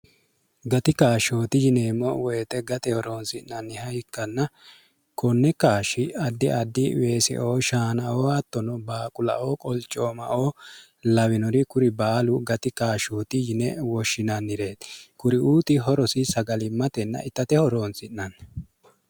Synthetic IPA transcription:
ɡɐt̪ɪkaːʃo̞ːt̪ɪjɪneːmːɔwɔjt̪ɛɡɐt̪ɛhɔɾo̞ːnsɪnnɐnːɪhɐjɪkːɐnːɐ | kʰɔnːɛkaːʃɪɐd̪ːɪɐd̪ːɪweːsɛ̰ʔoːʃaːnɐʔoːɐt̪ːɔnɔbaːkʼʊlɐ̰ʔoːkʼɔlt͡ʃʼːo̞ːmɐ̰ʔoː | lɐwɪnɔɾɪkʊɾɪbaːlʊɡɐt̪ɪkaːʃoːt̪ɪjɪnɛwɔʃːɪnɐnːɪɾe̞ːt̪kʊɾɪʔuːt̪ɪɦɔɾɔsɪsɐɡɐlɪmːɐt̪ɛnːɐ̰ʔɪt̪ːɐt̪ɛhɔɾo̞ːnsɪnːɐn

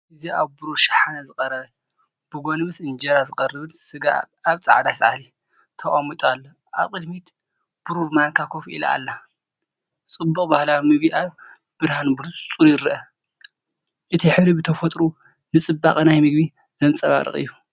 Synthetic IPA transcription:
ʔɨzia̰βbuɾoʃḁħanazɨkʼɐɾɐβɐ | b̥ɨɡo̞nmɨsɨnd͡ʒɐɾazɨkʼɐrːɨβɨnsɨɡa̰ː | βt͡sʼa̰ʕd̪asʕa̰li | t̪ʰɐkʼamit̪ʼoalːo | a̰βkʼɨd̪mit̪ | b̥uɾuɾmankʰakʰo̞fʔḭla̰a̰lːa | t͡sʼɨbːuχʼbahlawmɨɡbiʔaβ | b̥ɨɾhanbulusʼt͡sʼuɾjɪɾɨʔɐ | ʔɨt̪ʰiħɨɾibɨt̪ʰɐfɐt̪ʼɾu | nɨt͡sʼɨbːa̰χʼnajmɨɡbi | zɐnt͡sʼɐβa̰ɾɨ̰χʼɨ̰jːu

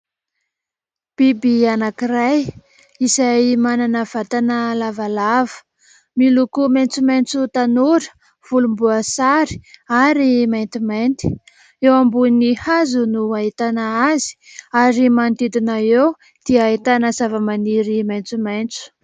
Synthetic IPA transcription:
b̥ibianakiraj | isajmananəv̥at̪anəlavalavə̥ | milukument͡sument͡sut̪anuɾə̥ | v̥ulumbuasaɾi̥aɾimajnt̪iment̪i̥ | ewambunihazunuaɦit̪anaazi̥aɾimant̪id̪inaew | d̪̥iait̪anəsavəmaniɾimajnt͡sumejnt͡su̥

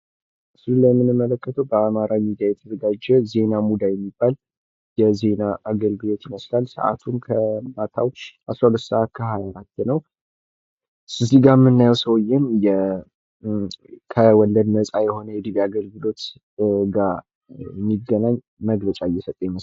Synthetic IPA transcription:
sɨlulːajɛmːɨnɨmːələkːət̪ʰəwbəamaɾamid̪ijajɛt̪ʰəd̪əɡad͡ʒːɛze̞namud̪ajɛmːibːal | jɛze̞naʔaɡəlɡɨlo̞t̪iməslalsə̰ʔa̰t̪ʰunkʰəmat̪ʰawt͡ʃʔasɾahulət̪səʔat̪̚kʰəhajaɾat̪ːɛnəw | sɨziɡamɨnːajɛwsəwjːɛnjɛ | kʰəwɔlːəd̪nəsʼajɛho̞nəjɛd̪ɨβiaɡəlɡɨlo̞t̪ | ɡa | jɛmːiɡənaɲː | məɡlət͡ʃʼajːɛsət̪ʼəjɛmə

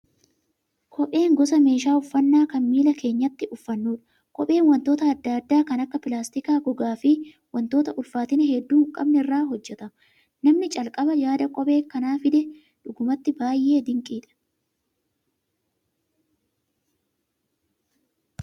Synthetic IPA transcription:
kʼɔpʼe̞ːŋɡɔsɐme̞ːʃaːʊfːɐnːaːkɐnmiːlɐkʰe̞ːɲːɐt̪ːɪʔʊfːɐnːuːᶑɐ̥ | kʼɔpʼe̞ːnwɐnt̪o̞ːt̪ɐːd̪ːad̪ːaːkɐnɐkːɐpɪlaːst̪ɪkaːɡɔɡaːfɪ | wɐnt̪oːt̪ɐʔʊlfaːt̪ɪnɛhɛd̪ːuːkʼɐbnɛɪrːaːɦɔd͡ʒːɛt̪ɐ | nɐmnɪt͡ʃʼɐlkʼɐbɐjaːd̪ɐkʼɔpʼe̞ːkɐnaːfɪd̪ɛ | ᶑʊɡʊmɐt̪ːɪbaːjʔːe̞ːd̪ɪŋkʼiːᶑɐ̥

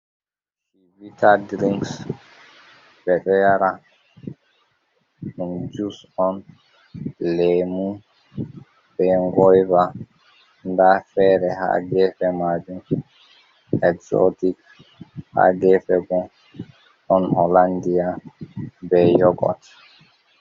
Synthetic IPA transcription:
hivitadɾiŋs | bɛɗɔjaɾa | und͡ʒus | ɔn | lɛmu | bɛŋɡɔjva | ndafɛɾɛha̰ɡɛfɛmad͡ʒum | ɛksɔ̰tik | ha̰ɡɛfɛɡɔ | ʔɔnhɔlandia | bɛjɔɡɔ̰t

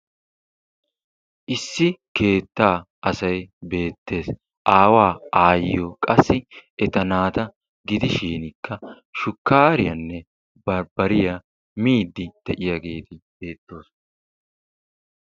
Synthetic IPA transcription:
ʔɪsːɪke̞ːt̪ːaː | ʔɐsɐjbe̞ːt̪ːe̞ːs | ʔaːwaːaːjɪjokʼɐsːɪɛt̪ɐnaːt̪ɐ | ɡɪd̪ɪʃiːnɪkʰːɐ | ʃʊkːaːɾɪjɐnːɛ | bɐɾbɐɾɪjɐ | miːd̪ːɪd̪̥ɛʔɪjaɡe̞ːt̪ɪb̥e̞ːt̪ːo̞ːs

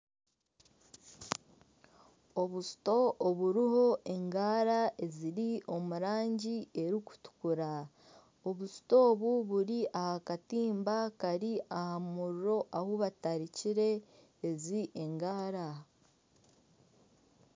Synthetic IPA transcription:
o̞βusu̥to̞ʔːβuɾiɦo̞ʔe̞ŋɡaːɾaʔe̞ziɾiʔo̞muɾaːɲɟie̞ɾiku̥tu̥kuɾa | o̞βusu̥to̞ːβuβuɾiʔahakatiːmbakaɾiahamuɾuɾo̞ʔahoβataɾiciɾe̞ː | ziʔeŋɡaːɾa

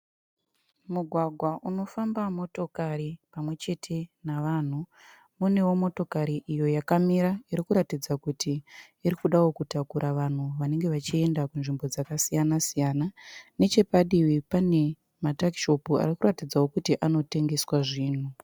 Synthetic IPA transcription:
muɡʱwaɡʱwaʔuno̞fambamo̞to̞kaɾipamwe̞t͡ʃe̞tʰe̞naʋaːn̤u | mune̞wo̞mo̞to̞kaɾiʔijo̞jakamiɾaiɾikuɾatid͡zakutiː | ɾikuɗawo̞kutakuɾʔaʋan̤uʋane̞ŋɡe̞ʋat͡ʃie̞ndakunʐimbo̞d͡zakasijanasijanane̞t͡ʃe̞paɗiwipane̞ | matakiʃo̞pua̰rikuratid͡zawo̞kutiʔano̞te̞ŋɡe̞swaʐiːn̤u

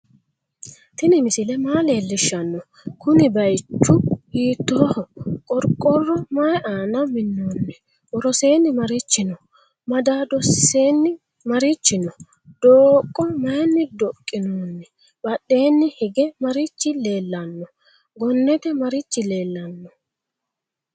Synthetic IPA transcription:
t̪ɪnɪmɪsɪlɛmaːle̞ːlːɪʃːɐnːɔ | kʊnɪbɐjt͡ʃːʊhiːt̪ːoːhɔkʼɔɾkʼːɔrːɔmɐjɛʔaːnɐmɪnːoːnːɛ | wɔɾɔse̞ːnːɪmɐɾɪt͡ʃːɪnɔ | mɐd̪aːd̪ɔse̞ːnːɪ | mɐɾɪt͡ʃːɪnɔ | d̪̥oːkʼːɔmɐjɛnːɪd̪ɔkʼːɪnoːnːɛ | b̥ɐɗːe̞ːnːɪhɪɡɛmɐɾɪt͡ʃːɪle̞ːlːɐnːɔ | ɡɔnːɛt̪ɛmɐɾɪt͡ʃːɪle̞ːlːɐnːɔ

